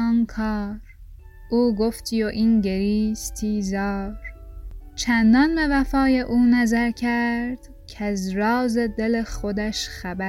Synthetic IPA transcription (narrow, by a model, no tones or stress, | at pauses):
nkʰɑːɾ | ʔuːɡoft̪ʰijoʔinɟeɾiːst̪ʰiːzɒːɾt͡ʃʰænd̪ɒnbevæfɒːjeʔuːnæzæɾcʰæɾd̪̥ | cʰæzɾɒːzed̪eleχo̞d̪æʃχæbæ